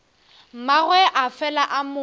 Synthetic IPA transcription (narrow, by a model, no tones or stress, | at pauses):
maɣwɛʔafɛlaʔamʊ